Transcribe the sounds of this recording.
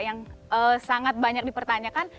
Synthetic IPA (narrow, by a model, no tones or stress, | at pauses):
jaŋəsaŋat̪̚baɲak̚dipərt̪aɲakan